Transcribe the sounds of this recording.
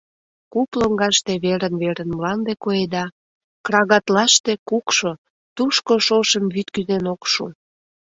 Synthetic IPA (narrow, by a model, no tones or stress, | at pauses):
kuploŋɡɑʃt̪eβeɾənβeɾənmlɑnd̪ekojed̪ɑ | kɾɑɣɑt̪lɑʃt̪e̽kukʃo | t̪uʃkoʃoʃəmβyt̪kyzenokʃṵ